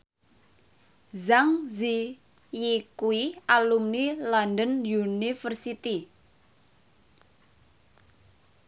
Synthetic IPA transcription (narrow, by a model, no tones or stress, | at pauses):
zaŋzi | jikuiʔalumnilandənjunifərsit̪i